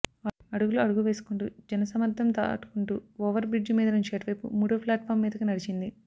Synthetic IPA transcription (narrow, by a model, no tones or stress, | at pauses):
aɐɽuɡuluɐɽuɡuʋe̞ːsu̥kuɳʈud͡ʒɛnɐsɐmɐɾd̪ʰʱɐmt̪ɐ̰ʈu̥kuɳʈuːɔːʋɐɾbɾid͡ʒmiːd̪ɐnuɲt͡ʃeːʈiʋɐjpṵmuːɽoːpʰlaːʈ̚pʰaːɾmːiːd̪ɐkunɐɽit͡ʃind̪i